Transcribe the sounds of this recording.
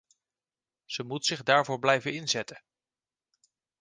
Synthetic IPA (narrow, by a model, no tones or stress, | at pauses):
z̥əmutsɪχdaːɹvʊːɹblɛjvənɪnzɛtə